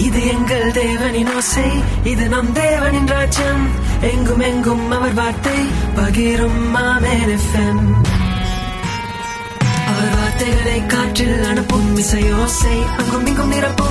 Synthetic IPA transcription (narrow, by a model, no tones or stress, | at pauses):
ɪðɯɛŋɡɐɭd̪eːʋɐnɪnoːsɐɪ | ɪðɯnɐmd̪eːʋɐnɪnraːd͡ʒɐm | ɛŋɡɯmɛŋɡɯmɐʋɐɾʋaːɾt̪ɐɪpɐɣɪɾɯmːaːmeːɾɛfɛm | ɐʋɐɾʋaːɾt̪ɐjlɐɪkːaːʈrɪlɐɳɯpːɯmːɪsɐjoːsɐɪɐŋɡɯmʋɪŋɡɯmnɪɾɐpːɯ